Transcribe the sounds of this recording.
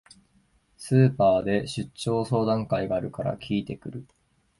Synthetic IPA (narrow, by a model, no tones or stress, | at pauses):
sɨːpaːd̪e̞ɕɨt͡ɕːo̞ːso̞ːd̪ãŋkaiɡaːɾɯ̟kaɾa̰kʲʰiːt̪e̞kɯ̟ɾɯ̟